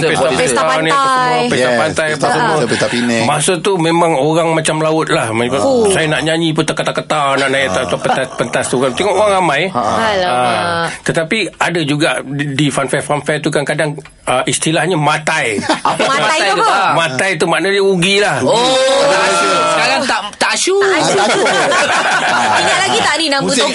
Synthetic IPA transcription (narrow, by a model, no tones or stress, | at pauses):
pesapsanajpəpesapant̪ajapəsuməit̪ainɛmasot̪umemãŋoɾaŋmat͡ʃamlaʊt̪̚lahmasajanaʔɲaɲĩp̬ʊt̪akət̪akət̪anaʔnajat̪at̪apət̪aspənt̪ast̪ukant̪eŋɔʔoɾaŋramãj | ət̪ət̪apiadad͡ʒuɡaʔdifanfɛfanfɛt̪ukankadaŋ | əʔist̪ilahɲamãt̪ajaaaj̪ajkəamãt̪ajt̪umaʔnadəuɡilah̪ | asusəkaɾaŋt̪aʔt̪aʔsu | iɲalaɡit̪aninabut̪